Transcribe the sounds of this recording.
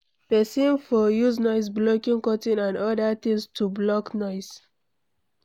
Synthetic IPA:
pɛsĩnfɔjuznɔɪs̬blɔkĩŋkɔtĩnãnɔdat̪ĩŋstʰublɔknɔɪs

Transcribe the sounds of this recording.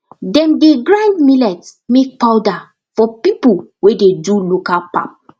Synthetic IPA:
dɛ̃mdeɡɹãndmilɛtmek̚pawda | fɔpipuwededulokalpa̰p̚

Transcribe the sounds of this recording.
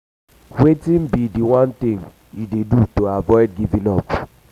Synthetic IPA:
wetĩm̩bidiwɔ̃ntĩŋ | idedutoavɔɪd̚ɡivĩnɔp

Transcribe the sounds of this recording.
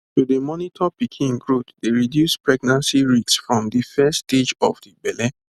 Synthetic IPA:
tudəmɔnitʰɔpikʰĩŋɡɹotdeɹidjuspɹɛɡnãnsiɹitsfɹɔ̃mdifɛsted͡ʒɔfdibɛlɛ

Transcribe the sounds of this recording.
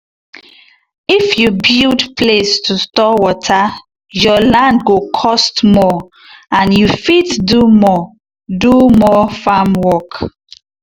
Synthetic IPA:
ifjubildpʰlestʰustɔwɔtʰa | jɔlãndɡokʰɔstmɔ | ãnjufitdumɔ | dumɔfamwɔk

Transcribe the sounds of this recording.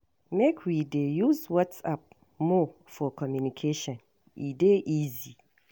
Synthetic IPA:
mekʰwidejuzwɔtsap̚ | mɔ | fɔkʰɔmjunikʰeʃɔ̃n | ʔideʔizi

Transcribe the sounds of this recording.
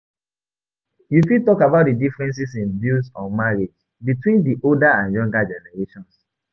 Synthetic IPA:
jukitɔkabaʊt̚didifɹɛ̃ns̬isĩnbusɔ̃nmaɹed͡ʒ | bitwĩndiʔoldaãnjɔ̃ŋɡad͡ʒɛnɛɹeʃɔ̃ns

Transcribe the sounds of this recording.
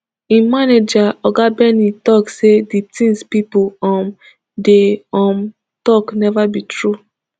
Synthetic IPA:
ĩmaned͡ʒaɔɡabɛnitɔkseditĩŋspipoɔm | deɔ̃m | tɔknɛvabitɹu

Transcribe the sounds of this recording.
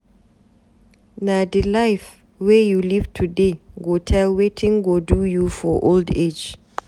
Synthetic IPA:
nadɛlajf | wɛjulivtʰudeɡotʰɛlwetʰĩŋɡodujufɔʔolded͡ʒ

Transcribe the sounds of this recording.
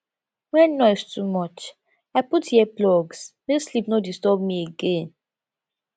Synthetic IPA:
wɛnɔɪstumɔt͡ʃ | aɪputhiɛplɔɡsneslipnɔdistɔbmieɡẽn

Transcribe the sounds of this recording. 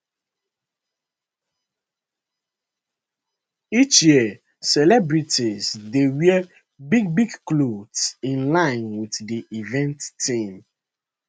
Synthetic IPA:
it͡ʃjiə | sɛlɛbɹitizdewiɛ | biɡ̚biɡklodsĩnlãɪ̃nwitdiʔivɛ̃ntːĩm

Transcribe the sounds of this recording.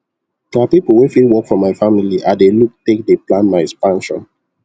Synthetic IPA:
mapipl̩ˠwɛfilwɔkfɹɔ̃mːaɪfamiliʔadeluk̚tek̚deplãnmaɪɛkspãnʃɔ̰̃n

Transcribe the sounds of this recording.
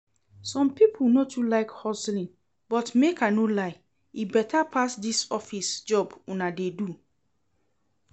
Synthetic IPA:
sɔ̃mpipʰunotulaɪkhɔslĩn | bɔtmekanolaɪ | ibɛtʰapʰasdisɔfisd͡ʒɔbũnadedu

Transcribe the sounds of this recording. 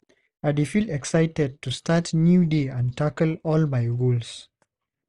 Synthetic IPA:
adifilɛksaɪtɛd̚tustatnjudeãntʰakəlɔlmajɹols

